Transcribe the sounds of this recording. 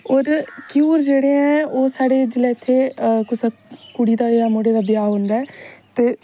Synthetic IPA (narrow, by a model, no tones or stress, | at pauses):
oːɾkjuːɾd͡ʒeːɽẽːɛ̃ːoːsaːɽeːd͡ʒɪlɛːɪt̪ʰːeːkʊsakuɽiːd̪aːjaːmoːɽeːd̪aːbɪjaːɦõnd̪aɛːt̪eː